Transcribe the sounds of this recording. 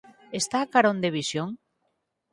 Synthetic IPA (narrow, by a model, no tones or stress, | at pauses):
est̪aːkaɾond̪eβ̞isjoŋ